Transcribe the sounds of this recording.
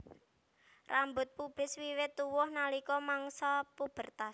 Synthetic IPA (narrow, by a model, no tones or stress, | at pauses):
rambʊt̪̚pub̥ɪswiwɪt̪ːuwʊhnalikɔmaŋsɔpub̥ə̤rt̪as